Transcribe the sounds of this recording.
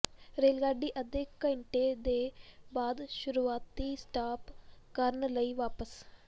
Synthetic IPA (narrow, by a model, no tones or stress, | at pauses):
ɾeːlɡaːɖiːʔəd̪ɪkːɪɳʈeːd̪eːbaːd̪ʃʊɾuːaːt̪iːsʈaːpkəɾənləiːʋaːpəs